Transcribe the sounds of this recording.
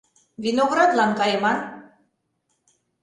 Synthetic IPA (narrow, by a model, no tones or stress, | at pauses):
vinoɣɾɑd̪lɑŋkɑjemɑn